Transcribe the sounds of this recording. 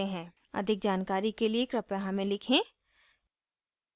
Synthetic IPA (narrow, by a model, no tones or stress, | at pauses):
ẽɦɛ̃ː | ɐ̰d̪ʱɪk̚d͡ʒaːnkaːɾikeliekɾɐpjaɦãmẽlɪkʰẽː